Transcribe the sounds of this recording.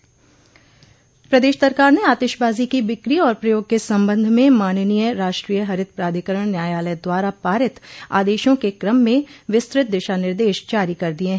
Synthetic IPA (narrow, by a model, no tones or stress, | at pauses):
pɾɐd̪eːʃsɐɾkaːɾneaːt̪ɪʃbaːzikiʋɪkɾiɔːɾpɾɐjoːɡ̚kesɐ̃mbə̃nd̪ʱmẽmaːnənijəɾaːʃʈɾiːjəɦɐɾɪd̪̚pɾaːd̪ʱikəɾəɽ̃njaːjaːləd̪waːɾapaːɾɪt̪a̰ːd̪eːʃõkekɾəmːẽʋɪst̪ɾɪt̪̚d̪ɪʃanɪɾd̪eːʃd͡ʒaːɾikɐɾd̪ieɦɛ